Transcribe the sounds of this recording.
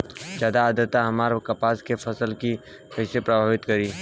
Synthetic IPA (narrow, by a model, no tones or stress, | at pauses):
d͡ʒaːd̪aːd̪ət̪ːaɦɐmaːɾkɐpaːskefʰɐsəlki | kɐɦsepɾɐbʱaːʋɪt̪kɐɾiː